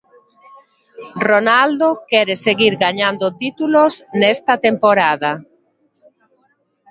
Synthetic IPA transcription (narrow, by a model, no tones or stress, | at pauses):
ronald̪okɛɾeseɣiɾɣaɲand̪ot̪it̪ulosnɛst̪at̪empoɾaða